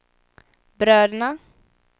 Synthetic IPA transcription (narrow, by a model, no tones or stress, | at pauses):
bɾœːɾna